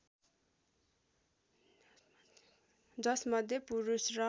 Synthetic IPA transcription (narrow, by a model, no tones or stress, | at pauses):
d͡zʌsmʌd̪ʱjepuɾusrʌ